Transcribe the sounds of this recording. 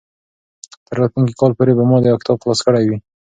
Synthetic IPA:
t̪əɾːɑt̪luŋk̬i̥kʰɑlpoɾebamɑd̪əakɪ̥t̪ʰɑbxlɑskəɽajwi

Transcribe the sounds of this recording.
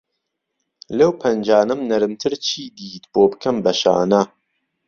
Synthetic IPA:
lɐwpʰɐnd͡ʒaːnɨmnɐɾɨmt̪ʰɨɾt͡ʃʰiːd̪iːt̪boːbɨ̥kʰɐmbɐʃa̰ːnɐ

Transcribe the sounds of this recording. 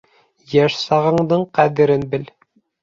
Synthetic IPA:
jæʃsɑʁɤ̆ɴd̪ɤɴqæðɘ̆ɾɘnbɘl

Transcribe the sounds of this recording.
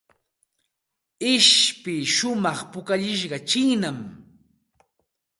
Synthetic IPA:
ɪʃpɪʃʊmɑχpʊkaʎɪʃ̬ɢɑt͡ʃɪŋnam

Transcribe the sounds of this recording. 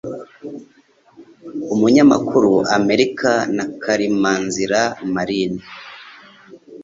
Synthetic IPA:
umuɲama̰kuɾuʔame̞ɾikanakʰaɾimaːnziɾamaɾini

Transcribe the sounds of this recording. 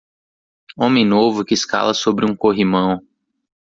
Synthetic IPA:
õmẽj̃novʊkɪːska̰lɐsobɾɪũkoɦimɐ̃w̃

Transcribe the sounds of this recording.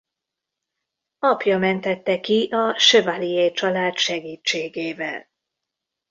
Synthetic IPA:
ɒpjɒmɛnt̪ɛt̪ːɛkiʔɒʃøvalieːjt͡ʃɒlaːt̪ʃɛɡiːt͡ʃt͡ʃːeːɡeːvɛ̰l

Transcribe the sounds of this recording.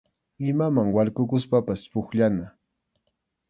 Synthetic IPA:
ɪmamaŋwalkʊkʊspapaspʊχʎana

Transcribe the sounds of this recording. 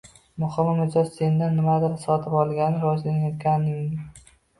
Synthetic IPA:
mʊχɨmmɪzɒzse̞nd̪anːɪmad̪ɪlasɒt̪ʰɪpɒlˠɡʲanɪɾɒzlanajɒt̪̚kʲanɪŋɪ

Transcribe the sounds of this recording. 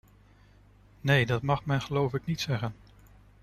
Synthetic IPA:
nejdɑtmɑχmɛnχəlowfɪknitsɛχən

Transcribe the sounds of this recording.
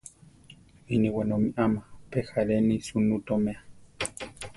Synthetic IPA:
iniwenomiʔamapexaɾenisunut̪omea

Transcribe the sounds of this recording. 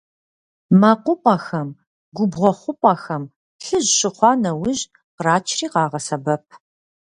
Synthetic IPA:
mɐqʷʊpʷʼɐxɐm | ɡʷʊbʁʷɔχʷʊpʷʼɐxɐm | ɬɨʑɕɪχʷɑːnɐwʊʑ | qraːt͡ʃʰriːqɑːʁɐsɐbɐp̚ʰ

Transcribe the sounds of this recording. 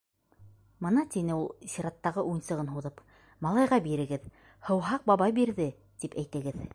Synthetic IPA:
mɤ̆nɑt̪inɘulˠsʲiɾɑt̪ːɑʁɤʔujnsɤ̆ʁɤnɦuðɤp | mɑlˠɑjʁɑbiɾɘ̆ɡɘð | hɤ̆wɦɑq̚bɑβɑjbiɾðɘ | t̪ipæjt̪ɘ̆ɡɘð

